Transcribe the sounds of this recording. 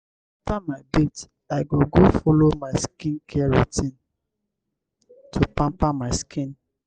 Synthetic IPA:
aftamaɪbit | aɪɡoɡofolomaɪskĩnkʰɛɹutĩn | tʰupãmpamaɪskʰĩn

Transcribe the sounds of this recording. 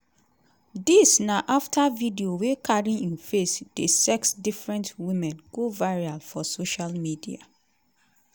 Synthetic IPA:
disnaʔaftʰavidiowekʰaɹĩĩnfesd̥esɛksdifɹɛ̃ntwĩmɛ̃nɡ̥ovaɹialfɔsoʃalmidḭa̰

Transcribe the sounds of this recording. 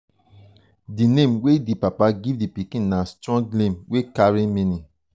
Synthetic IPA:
dinẽmwedipapaɡivdipikĩnːastɹɔ̃ŋɡnẽmwekaɹĩmĩnĩ

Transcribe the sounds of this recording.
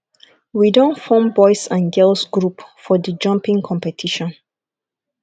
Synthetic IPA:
widõntfɔ̃mbɔɪsãnɡɛlsɡɹupfɔdəd͡ʒʌ̃mpĩŋkʰɔ̃mpɛtʰiʃɔ̃n

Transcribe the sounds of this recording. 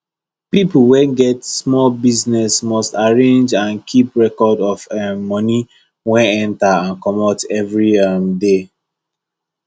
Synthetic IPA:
pipl̩wɛ̃nɡɛtsmɔlbiznɛsmɔstaɹẽnd͡ʒãnkʰipɹɛkɔdɔfɛmɔni | wɛ̃nɛ̃ntaãnkɔmɔtɛvɹiamde

